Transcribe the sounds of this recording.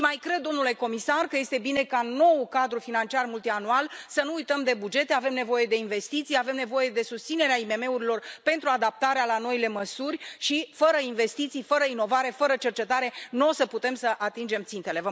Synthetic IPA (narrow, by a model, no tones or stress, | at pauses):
majkɾe̞d̪ːo̞mnule̞ko̞misarkəje̞st̪e̞bine̞kano̞wkad̪ɾufinant͡ʃiarmult̪ianualsənuːjt̪əmd̪e̞bud͡ʒe̞t̪eave̞mne̞vo̞je̞d̪e̞inve̞st̪it̪sijave̞mne̞vo̞je̞d̪e̞sust̪sine̞ɾeaime̞me̞uɾilo̞rpe̞nt̪ɾuad̪ap̚t̪aɾealano̞ile̞məsurʲʃifəɾəinve̞st̪it̪sijfəɾəino̞vaɾe̞fəɾət͡ʃe̞rt͡ʃe̞t̪aɾe̞nosəput̪emsəʔat̪ind͡ʒe̞mt̪sint̪e̞le̞və